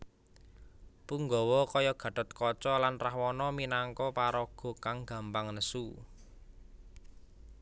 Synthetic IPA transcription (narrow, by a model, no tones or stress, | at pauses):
puŋɡɔwɔkɔjɔɡ̥ä̤ɖ̥ɔ̤t̪̚kɔt͡ʃɔlanrahwɔnɔminaŋkɔpaɾɔɡ̥ɔ̤kaŋɡ̥ä̤mpaŋnəsu